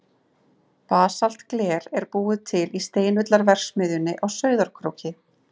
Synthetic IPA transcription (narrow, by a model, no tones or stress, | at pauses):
paːsal̥t̪klɛːɾɛɾpuːʏt̪ʰɪlist̪eːjnʏt̪laɾvɛr̥ksmʏːðʏnɪʔawsœːɥðaɾ̥kʰɾo̰wcɪ